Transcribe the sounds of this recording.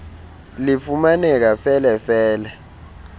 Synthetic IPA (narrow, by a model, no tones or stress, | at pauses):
lifumanɛk̬afɛlɛfɛːlɛ